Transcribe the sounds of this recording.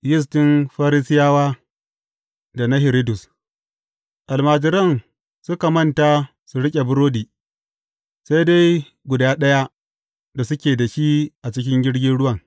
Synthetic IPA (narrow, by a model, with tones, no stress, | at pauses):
jɪ˦s̬tɪ˦nɸaː˦ɾi˦sɪ˦jaː˦waː˦ | da˨na˦ɦɪ˨ɾi˦dʊ˨s | ʔa˨lmaː˨d͡ʒɪ˦ɾɐ˦n | sʊ˦ka˨mɐ˦˨nta˨ | su˨ɽɪ˦kʲʼe˨bʊ˦ɾoː˦diː˨ | sa˦jda˦j | ɡʷʊ˨daː˦ɗɐ˦ja˦ | da˨sʊ˦kʲeː˨da˨ʃi˦ʔa˨t͡ʃɪ˦k̬ʲɪ˦ŋɡʲɪ˦ɽɡʲɪ˦nɽʊ˦wɐ˨ŋ